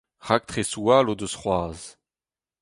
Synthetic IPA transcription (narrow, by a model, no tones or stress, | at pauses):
ʁak̚t̪χesualod̪əsχwaːz